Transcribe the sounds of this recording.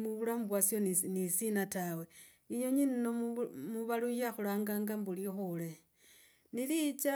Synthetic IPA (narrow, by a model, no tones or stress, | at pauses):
muβulamubwasjonnisinatawe | ijo̞ɲinnomuβalujaxulaːŋɡaːŋɡambulixule | nilit͡ʃa